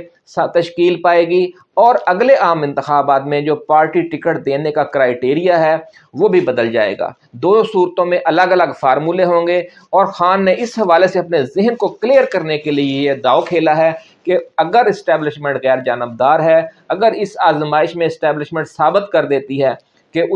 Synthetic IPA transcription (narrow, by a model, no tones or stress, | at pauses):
st̪ɐʃkiːlpaːeːɡi | ɔːɾɐɡleʔaːmɪ̃nt̪ɪxaːbaːt̪mẽd͡ʒoːpaːɾʈiʈɪkəʈ̚d̪eːnekakɾaːɪʈeːɾijaɦɛː | ʋoːbʱibɐd̪əld͡ʒa̰ːḛːɡa̰ː | d̪oːsuːɾt̪õmẽʔɐləɡɐləɡfaːɾmuːleɦõːŋɡe | ɔːɾxaːnːeʔɪsɦɐʋaːleseɐpnezɪɦənkoklijəɾkɐɾnekelied̪aːokʰeːlaɦɛː | keɐɡəɾɪsʈɛːblɪʃmɛ̃ɳʈɣɛːɾd͡ʒaːnəb̚d̪aːɾɦɛ | ɐɡəɾɪsaːzmaːɪʃmẽɪsʈɛːblɪʃmɛ̃ɳʈsaːbɪt̪kɐɾd̪eːt̪iɦɛː | keʊ